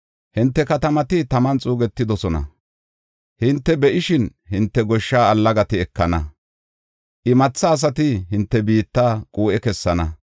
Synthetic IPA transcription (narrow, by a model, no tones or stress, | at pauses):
hɪnt̪ːɛkɐt̪ɐmɐt̪ɪt̪ɐmɐnt͡sʼuːɡɛt̪ːɪd̪ɔsɔnɐ̰ | hɪnt̪ːɛbɛʔɪʃɪnhɪnt̪ːɛɡɔʃːaːɐlːɐɡɐt̪ɪɛkːɐnɐ | ʔɪmɐt͡sːɐːs̬ɐt̪ɪɦɪnt̪ːɛbiːt̪ːaːkʼuːʔɛkɛsːɐnɐ